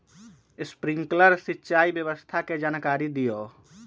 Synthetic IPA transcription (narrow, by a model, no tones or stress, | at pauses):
spɾĩŋkləɾsitːʃaibjəβəst̪ʰaked͡ʒaːnkaɾid̪ijo